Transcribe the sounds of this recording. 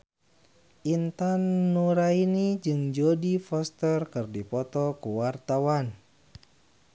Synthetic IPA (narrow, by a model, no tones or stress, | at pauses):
ʔint̪anːuɾainid͡ʒɨŋd͡ʒodifɔst̪ərkɨrdipɔt̪ɔkuwart̪awan